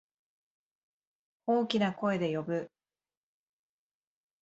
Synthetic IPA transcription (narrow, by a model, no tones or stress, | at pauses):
o̞ːkʲinako̞e̞d̪e̞jo̞bɯ̟